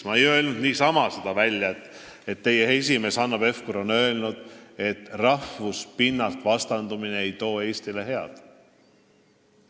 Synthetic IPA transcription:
mɑejøelnud̪̥niːsɑmɑsed̪̥ɑvælʲjɑet̪ːˑ | e̞t̪ːe̞je̞es̬ʲime̞sɑnːɑb̥e̞fkuɾo̞nø̞elnud̪̥e̞t̪ːrɑfvuspinːɑlt̪ˑvɑst̪ɑnd̪umineejt̪o̞ːe̞ːsʲt̪ile̞ɦe̞ɑ̰d̪̥

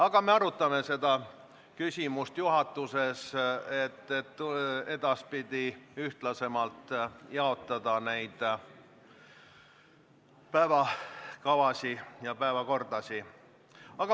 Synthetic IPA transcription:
ɑɡ̥ɑme̞ɑɾut̪ːˑɑme̞se̞d̪ɑ | kysʲimust̪juɦɑt̪ːˑuse̞set̪ːet̪ːe̞d̪̥ɑspid̪̥iyht̪lɑse̞mɑlt̪ːjɑo̞t̪ːˑɑd̪̥ɑnejd̪̥ | pæevɑkɑvɑsʲijɑpæevɑko̞rd̪̥ɑsʲi | ɑɡ̥ɑ

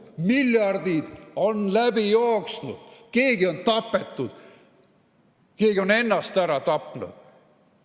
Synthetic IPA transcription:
miljɑrd̪̥id̪̥o̞nlæbijoːksnṵd̪̥ke̞ːɡio̞nt̪ɑpːˑe̞t̪ːˑud̪̥ | ke̞ːɡio̞ne̞nːɑst̪æɾɑt̪ɑpːˑnṵd̪̥

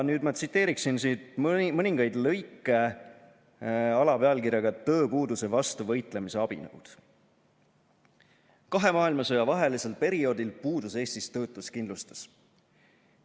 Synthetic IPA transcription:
nyːd̪mɑt̪sit̪ːe̞ːɾiksinsit̪mmɤnʲiŋɡ̥ɑjd̪lɤ̞jkːˑe̞ | ɑlɑpeɑlkiɾjɑɡ̥ɑt̪ɤ̞ːpuːd̪use̞vɑst̪uvɤ̞jt̪ˑle̞mise̞ɑb̥ḭnɤ̰ṵd̪̥ | kɑɦe̞mɑːilmɑso̞jɑvɑɦe̞lise̞lpe̞ɾio̞ːd̪̥ilpuːd̪use̞ːst̪ist̪ɤ̞ːt̪ːˑuskind̪lust̪ɑ̥s

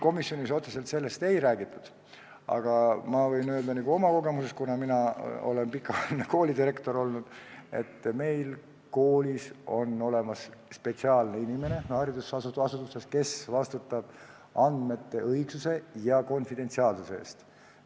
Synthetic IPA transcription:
ko̞misjo̞niso̞t̪sese̞lt̪se̞lːe̞st̪e̞jɾæːɡ̥it̪ːˑud̪̥ | ɑ̰ɡ̥ɑmɑvɤ̞jnøld̪ɑniɡ̥uo̞mɑko̞ɡ̥e̞musest̪kunɑminɑo̞̰le̞npikːˑɑvɑlneko̞ːlid̪iɾe̞kt̪o̞ɾo̞lnud̪̥e̞̰t̪ːme̞jl | ko̞ːliso̞no̞le̞mɑsspe̞t̪siɑːlneinime̞ne̞hɑːɾid̪usɑsut̪ɑsut̪ːˑuse̞ske̞svɑst̪ut̪ːˑɑb̥ | ɑnd̪̥me̞t̪ːe̞ʔɤjɡ̥suse̞jɑko̞nfid̪̥e̞nt̪siɑːlsuseḛːst̪

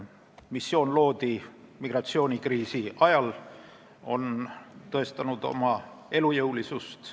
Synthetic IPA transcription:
misːjo̞ːnlo̞ːd̪̥imiɡ̥rɑt̪sio̞ːnʲikriːsiʔɑjɑl | o̞nt̪ɤ̞e̞st̪ɑnud̪o̞̰mɑ | e̞lujɤwlisust̪

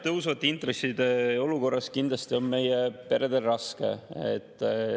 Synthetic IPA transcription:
t̪ɤwsvɑt̪ːˑeint̪resːid̪e̞o̞luko̞rːɑskind̪lɑst̪io̞nme̞jepe̞ɾed̪elːɑske̞̰ḛt̪ˑː

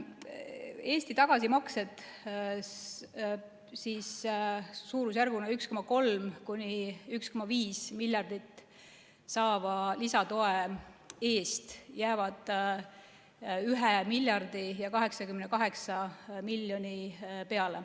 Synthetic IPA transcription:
e̞ːsʲt̪it̪ɑɡ̥ɑsimɑkse̞d̪̥ | siːsː | uːɾus̬ærɡunɑyksko̞mːɑko̞lmkunʲiyksko̞mɑviːsmilʲjɑrd̪̥it̪ː | sɑːvɑlisɑt̪o̞ee̞ːst̪jæːvɑd̪̥ | yɦemilʲjɑrd̪̥ijɑkɑɦe̞ksɑkymnekɑɦe̞ksɑmilʲːjonipe̞ɑle

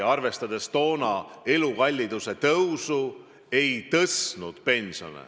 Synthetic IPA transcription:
ɑrve̞st̪ɑd̪̥e̞st̪o̞ːnɑe̞lukɑlʲːid̪̥use̞t̪ɤwsu | e̞jt̪ɤsnud̪̥pe̞nso̞̰nḛ

